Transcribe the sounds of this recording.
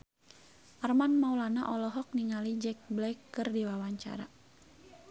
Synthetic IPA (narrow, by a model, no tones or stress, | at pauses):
ʔarmanmaulanaʔɔlɔɦɔk̚niŋalid͡ʒɛk̚blɛjkːɨrdiwawaɲt͡ʃa̰ɾa̰